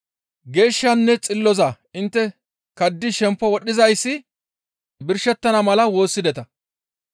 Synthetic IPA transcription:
ɡe̞ːʃːɐnːɛt͡sʼɪlːɔzɐ | ɪnt̪ːɛ | kɐd̪ːɪʃɛmpːɔwɔɗːɪzɐjsːɪ | bɪɾʃɛt̪ːɐnɐmɐlɐwo̞ːsːɪd̪ɛt̪ɐ

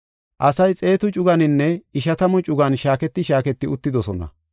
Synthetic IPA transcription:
ʔɐsɐjt͡sʼe̞ːt̪ʊt͡ʃʼʊɡɐnɪnːɛɪʃɐt̪ɐmɔt͡ʃʼʊɡɐnʃaːkɛt̪ːɪʃaːkɛt̪ːɪʊt̪ːɪd̪ɔsɔnɐ̰

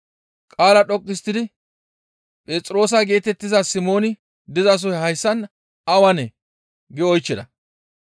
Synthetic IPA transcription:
kʼaːlɐɗɔkʼːɪst̪ːɪd̪ɪ | pʼeːt͡sʼɾo̞ːs̬ɐɡe̞ːt̪ɛt̪ːɪzɐsɪmo̞ːnɪ | d̪ɪzɐs̬ɔhɐjsːɐn | ɐwɐnɛ | ɡɛɔjt͡ʃːɪd̪ɐ

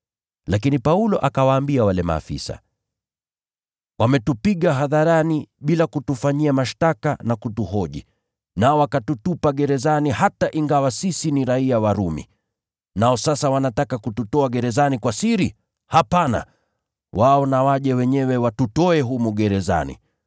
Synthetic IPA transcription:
lakinipaulɔʔakawaːmbiawalɛma̰ːfḭsa̰ | wamɛtupiɠaɦaðaɾaniɓilakutufaɲiamaʃtakanakutuɦɔʄḭ | naɔwakatutupaɠɛɾɛzanihataʔiŋɡawasisiniɾaiawaɾumḭ | naɔsasawanatakakututɔaɠɛɾɛzanikwasiɾi | hapana̰ | waɔnawaʄɛwɛɲɛwɛwatutɔɛɦumuɠɛɾɛza̰nḭ

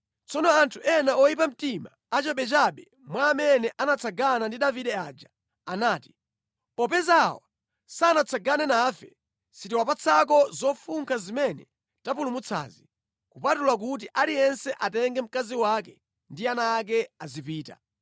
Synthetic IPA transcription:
t͡sɔnɔantʰuʔɛnaʔɔjip̬am̩tima | at͡ʃaɓɛt͡ʃaɓɛ | mwaːmɛnɛʔanat͡sʰaɡanandiɗaviɗɛaːd͡ʒa | anaːti̥ | pɔp̬ɛzawa̰ | saːnat͡sʰaɡanɛnaːfɛ̰ | sitiwapat͡sʰak̬ɔzɔfuŋkʰazimɛnɛ | tapulumut͡sʰa̰ːzi | kupatulak̬ut̬iʔalijɛnsɛʔatɛŋɡɛm̩kaziwakɛ | ndianaːk̬ɛazip̬iːta̰

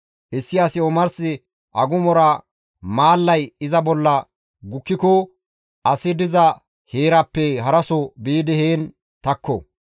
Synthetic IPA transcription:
ʔɪsːɪɐsɪɔmɐɾsɪ | ʔɐɡʊmɔɾɐ | maːlːɐjɪzɐbɔlːɐ | ɡʊkːɪkɔ | ɐsɪd̪ɪzɐ | heːɾɐpːɛhɐɾɐsɔbiːd̪ɪheːn | t̪ɐkːɔ̰

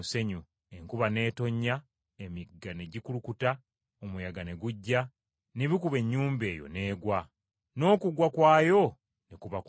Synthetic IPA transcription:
se̞ɲu | e̞ŋkuβane̞ːto̞ɲːa | emiɡane̞ɟikulukuta | omujaɡane̞ɡuɟːa | neβikuβe̞ɲːuːmbe̞ːjo̰ne̞ːɡwa | no̞ːkuɡwakwaːjo̞ | nekuβak

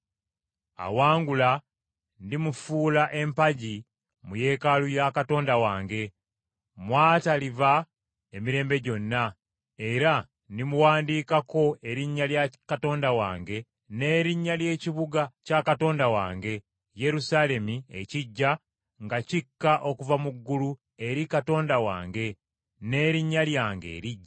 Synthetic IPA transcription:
a̰waːŋɡula | ndimufuːlaʔe̞mpaɟi | muje̞ːkalujakato̞ːndawaːŋɡe̞ | mwaːtaliva | emiɾe̞ːmbe̞ɟo̞nːa | eɾa | ndimuwaːndiːkako̞e̞ɾiɲːaljakato̞ːndawa̰ːŋɡe̞ | ne̞ːɾiɲːalje̞ːciβuɡacakato̞ːndawa̰ːŋɡe̞ | je̞ɾusale̞miḛciɟːa | ŋɡacikːaʔo̞kuvamuɡːulu | e̞ɾikato̞ːndawa̰ːŋɡe̞ | ne̞ːɾiɲːaljaːŋɡe̞̰ːɾiɟːa

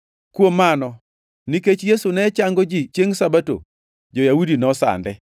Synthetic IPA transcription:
kwomːanɔ | niket͡ʃjesunɛt͡ʃaŋɡod͡ʒit͡ʃeŋsabato̰ | d͡ʒojaudinɔsa̰ndɛ

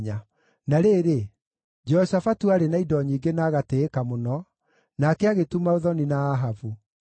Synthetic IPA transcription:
ɲa | naɾeːɾe | d͡ʒɛɔsafatuaɾenaidɔɲiːŋɡenaːɣateːkamonɔ | nakɛaɣetumaoðɔninaːɦavu

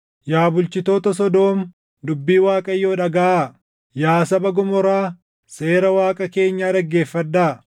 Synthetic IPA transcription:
jaːbʊlt͡ʃɪt̪oːt̪ɐs̬ɔd̪o̞ːm | d̪ʊbːiːwaːkʼɐjːo̞ːᶑɐɡɐʔaː | jaːsɐbɐɡʊmɔɾaː | se̞ːɾɐwaːkʼɐke̞ːɲːaːd̪ɐɡːe̞ːfːɐd̪ːaː

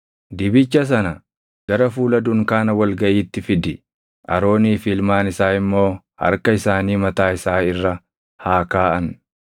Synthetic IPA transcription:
d̪ɪbɪt͡ʃːɐs̬ɐnɐ | ɡ̥ɐɾɐfuːlɐd̪ʊŋkaːnɐwɐlɡɐʔiːt̪ːɪfɪd̪ɪ | ʔɐ̰ɾo̞ːniːfɪlmaːnɪsaːɪmːo̞ː | hɐ̰ɾkɐɪsaːniːmɐt̪aːɪsaːɪrːɐ | haːkaːʔɐn

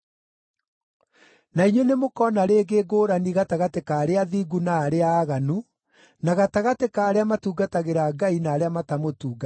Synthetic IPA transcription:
naiɲwenemokɔnaɾeːɡeːɡoːɾaniɣataɣatekaːɾeaðiːɡunaːɾeaːɣanu | naɣataɣatekaːɾeamatuːɡataɣeɾaɡainaːɾeamatamotuːɡa

